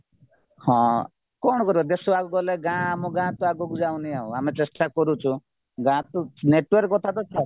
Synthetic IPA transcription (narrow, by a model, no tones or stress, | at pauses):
hɔ̃ | kɔɳɔkɔɾibad̪esuaɡɔɡɔleɡãmɔɡãt̪ɔaɡokud͡ʒaũnijaṵ̃amet͡ʃesʈakɔɾut͡ʃʰu | ɡãt̪ɔneʈwɔɾkːɔt̪ʰat̪ɔt͡ʃʰa